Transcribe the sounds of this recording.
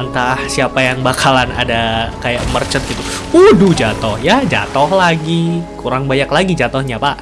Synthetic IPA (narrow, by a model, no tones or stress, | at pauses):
nt̪ahsiapajaŋbakʰalana̰dakajaʔmərt͡ʃət̪̚ɡit̪u | udud͡ʒat̪ʊhjad͡ʒa̰t̪ohlaɡikuɾaŋbajaklaɡid͡ʒat̪ohɲapa